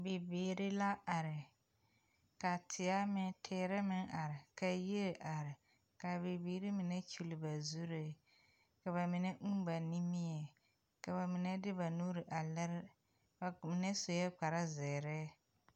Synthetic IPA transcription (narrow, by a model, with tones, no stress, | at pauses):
be˨beː˨ɾɪ˦la˦ʔa˨ɾɪ˨ | ka˨tʰɪ˨a˦mɪ˦tʰɛː˦ɾɛ˦mɪ˦ŋʔa˨ɾɪ˨ka˦je˦ɾʔa˨ɾɪ˨ | ka˨be˨beː˨ɾi˦mɪ˨nɛ˦t͡ʃu˨lɪ˨ba˨zu˦ɾɪ˨ | ka˨βa˨mɪ˨˦nɛ˦ŋ̩˦ba˨ni˦mɪ˦ɛ˨ | ka˨ba˨mɪ˨nɛ˦dɪ˦ba˨nuː˦ɾɪ˨ʔa˨lɛ˦ɾ | ba˨mɪ˨nɛ˦so˨jɛ˦k͡pa˨ɾa˦zɛː˨ɾɛ˦